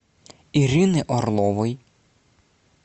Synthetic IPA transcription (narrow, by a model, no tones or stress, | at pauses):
iɾɪnɪʔɔrlˠɔʋɔj